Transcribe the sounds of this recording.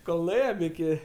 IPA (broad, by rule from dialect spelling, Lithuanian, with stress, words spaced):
koːlˠ nʊˈeːjɛm ɪˈkʲɪ